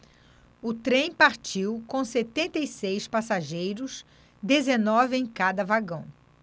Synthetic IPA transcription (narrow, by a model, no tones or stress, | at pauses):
ʊt̪ɾẽj̃paɾt͡ʃiwkõset̪ẽnt̪ejsejspasaʒejɾʊs | d̪ezenɔvɪẽj̃kad̪ɐvaɡɐ̃w̃